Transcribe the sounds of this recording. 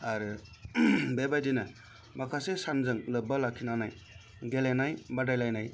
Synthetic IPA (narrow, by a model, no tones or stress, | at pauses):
aɾɯ | bebajdinɯ | makʰasesanzɯŋlɯbalakʰinanaj | ɡelanajbadajlajnaj